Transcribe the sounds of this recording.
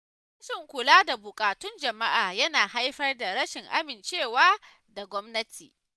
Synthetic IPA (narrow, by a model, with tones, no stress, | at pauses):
ɪ˦sʊ˦˨ŋkʷʊ˨laː˦da˨bʊ˨kʼaː˨tʊ˦nd͡ʒɐ˨ma˦ʔaː˨jɐ˦naː˨ha˦jɸɐ˦rda˨ɾɐ˦ʃɪ˨ŋʔa˦mɪ˨nt͡ʃeː˦˨waː˦ | da˨ɡʷɔ˦mnɐ˦tʰḭː˨